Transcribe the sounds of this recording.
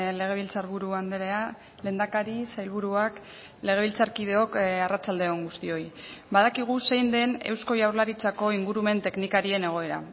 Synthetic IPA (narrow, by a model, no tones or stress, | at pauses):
le̞ɣ̞e̞βilt͡saɾβuɾuand̪eɾea | le̞ːnd̪akaɾisajlβuɾuak | le̞ɣ̞e̞β̞ilt͡saɾkiðe̞o̞karat͡sald̪e̞oŋɡust̪io̞jbaðakiɣ̞use̞jnd̪e̞ne̞wsko̞jawɾlaɾit͡sako̞iŋɡuɾume̞nt̪e̞knikaɾie̞ne̞ɣ̞o̞e̞ɾa̰